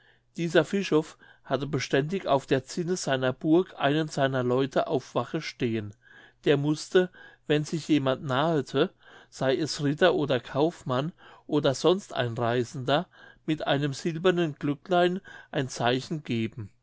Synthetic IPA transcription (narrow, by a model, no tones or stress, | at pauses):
d̥iːzɐfɪʃɔf | hatəbəʃtɛndɪça̰ʊfd̥eːɐt͡sɪnəzaɪnɐbʊɐkʰʔa̰ɪnənz̥aɪnɐlɔʏtʰəʔaʊfv̥aχəʃteːən | d̥eːɐmʊstʰəvɛnzɪçjeːmantnaːətʰə | z̥aɪɛsʁɪtɐʔoːdɐkʰaʊfmanʔoːdɐzɔnstʔa̰ɪnʁaɪzn̩dɐmɪtʔa̰ɪnəmz̥ɪlbɐnənɡ̥lʏklaɪnʔaɪnt͡saɪçn̩ɡeːbm̩